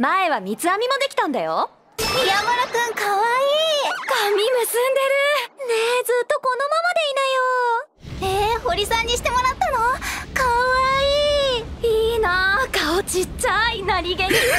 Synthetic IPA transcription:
mae̞βamʲit͡sɨamʲimo̞d̪e̞kʲi̥t̪ãnd̪a̰jo̰ | ijamaɾakɯ̟̃ŋkaβaiːkamʲimɯ̟sɨ̃nd̪e̞ɾɯ̟ned͡zɨt̪ːo̞ko̞no̞mamad̪e̞inajo | eho̞ɾʲisãɲ̟ːiɕi̥t̪e̞mo̞ɾat̪ːanokaβaiːiːnakaot͡ɕit͡ɕainaɾʲiɡeɲʲi

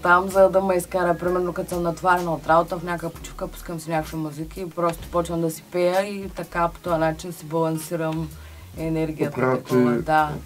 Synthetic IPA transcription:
t̪amzɐd̪ɐmɐiskaɾəpɾimɛɾnokɐt̪səmnɐt̪vaɾɛnɐot̪ɾabot̪əfnʲakjəpo̥t͡ʃi̥fkəpu̥skəmsinʲakvimuzikʲiːpɾɔst̪o̥pɔt͡ʃnəmd̪ɐsi̥pɛjəit̪ɐkapo̥t̪ɔɐnat͡ʃinsibɐlˠɐnsiɾəm | ɛnɛɾɡʲijɐtat̪d̪a

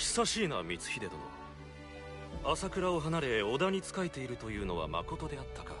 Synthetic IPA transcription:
çi̥saɕiːna̰mʲit͡sɨ̥çʲid̪e̞d̪o̰mo̰ | asakɯ̟ɾao̞ɦanaɾe̞o̞d̪aɲ̟it͡sɨ̥kae̞t̪e̞iɾɯ̟t̪o̞jɯ̟ːno̞βa̰ma̰ko̞t̪o̞d̪e̞at̪ːaka̰

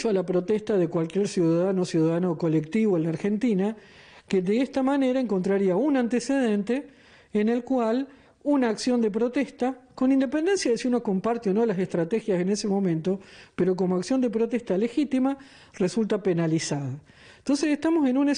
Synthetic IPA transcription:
t͡ʃoalapɾo̞t̪est̪aðekwalkjeɾsjuðaðano̞sjuðaðanoko̞lek̚t̪iβoenlaɾxe̞nt̪ina | keðeest̪amane̞ɾae̞ŋko̞nt̪ɾaɾiaunant̪ese̞ð̞e̞nt̪eː | ne̞lkwal | unaːksjo̞nd̪ep̬ɾo̞t̪est̪ako̞nind̪epend̪ensjaðesiuno̞ko̞mpaɾt̪eono̞lasest̪ɾat̪exjase̞ne̞se̞mo̞mẽ̞nt̪o̞peɾo̞k̬o̞moaksjo̞nd̪epɾot̪est̪ale̞xit̪ima | result̪apenalisaða | nt̪o̞nseseht̪amo̞se̞nune

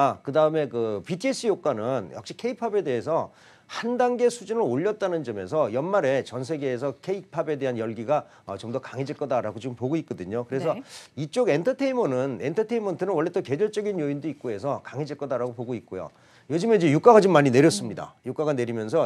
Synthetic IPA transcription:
kɯdaɯme̞kɯpitʰie̞s͈ɯjok͈wanɯnja̰k̚ɕ͈i̥kʰe̞ipʰabe̞de̞ɦe̞s̬ʰʌ | handaŋɡe̞sʰud͡ʑunɯɾoʎːʌt̚t͈anɯnd͡ʑʌme̞̰sʰʌjʌnmaɾe̞t͡ɕʌnsʰe̞ɡe̞ːs̬ʰʌkʰe̞ipʰabe̞de̞ɦanjʌɭɡiɡa | ʌt͡ɕomdʌkaŋɦed͡ʑiɭk͈ʌdaɾaɡot͡ɕompoɡoik̚k͈ʌdɯɲokɯɾe̞sʰʌit͡ɕ͈oɡe̞ntʰʌtʰeimʌnɯnentʰʌtʰeimʌntʰɯnɯnwʌɭːe̞t͈ʌke̞d͡ʑʌɭt͡ɕ͈ʌɡinjoindoik̚k͈oe̞s̬ʰʌkaŋɦed͡ʑiɭk͈ʌdaɾaɡopoɡoik̚k͈ojo̰ | jod͡ʑɯmed͡ʑejuk͈aɡat͡ɕomːaɲineɾjʌs͈ɯmɲida̰juk͈aɡane̞ɾimjʌns̬ʰʌ

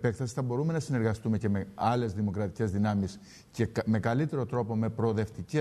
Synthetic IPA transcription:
pekθɐsi̥θɐbo̞ɾume̞nɐsine̞ɾɣɐst̪ume̞ce̞meɐle̞zðimo̞kɾɐt̪ice̞zðinɐmis | ceme̞kɐlit̪e̞ɾo̞t̪ɾo̞po̞me̞pɾo̞ðe̞ft̪ice

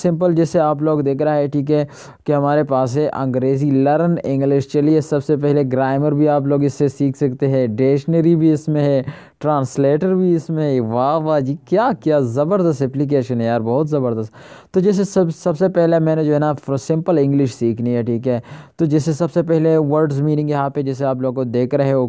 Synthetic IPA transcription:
sɪ̃mpəld͡ʒɛːseaːp̬loːɡd̪eːkʰɾaaɦɛʈʰiːk̬ɦɛː | keɦɐmaːɾepaːsɦɛʔɐ̰̃ŋɡɾeːzilɐɾənɪ̃ŋɡlɪʃt͡ʃɐliesɐbsepɛɦleɡɾaːɪməɾbʱiaːp̬loːɡɪsːesiːkʰsɐkt̪eɦɛ̃ɖeːʃnəɾibʱiɪsmẽɦɛ | ʈɾãːnsleːʈəɾbʱiɪsmẽɦɛʋaːʋaːd͡ʒiːkjaːkijazɐbəɾd̪ɐst̪ɛplɪk̬eːʃənɦɛjaːɾbɔːʊt̪zɐbəɾd̪əst̪ | t̪od͡ʒɛs̬esɐbsɐbsepɛɦlemɛ̃ːned͡ʒoːɦɛnafɾsɪ̃mpəlɪ̃ŋɡlɪʃsiːkʰniɦɛʈʰiːkɦɛːt̪od͡ʒɪs̬ːesɐbsepɛɦleʋəɾɖzmiːnɪ̃ŋɡjɐɦãped͡ʒɛːs̬eaːp̬loːɡ̚kod̪eːkɾeɦɛ̃oː

